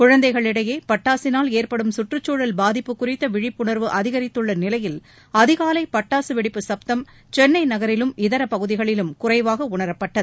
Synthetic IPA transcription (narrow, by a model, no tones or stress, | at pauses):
kʊɻɐnd̪ɐɪɣɐɭɪɽɐjeːpɐʈːaːsɪnaːleːrpɐɽɯmsʊʈrɯt͡ʃːoːɻɐlbaːðɪpːɯkːʊrɪt̪ːɐʋɪɻɪpːʊɳɐɾʋɯʔɐðɪɣɐɾɪt̪ːɯɭːɐnɪlɐjɪl | ɐðɪɣaːlɐɪpɐʈːaːsɯʋɪɽɪpːɯsɐp̚t̪ɐm | t͡ʃɛnːɐɪnɐɣɐɾɪlɯmɪðɐɾɐpɐɣɯðɪɣɐɭɪlɯmkʊrɐɪʋaːɣɐʊɳɐɾɐpːɐʈːɐðɯ